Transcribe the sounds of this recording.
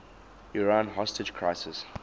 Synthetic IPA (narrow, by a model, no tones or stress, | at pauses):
uɹãnɦɔstəd͡ʒkʰɹaɪsɪs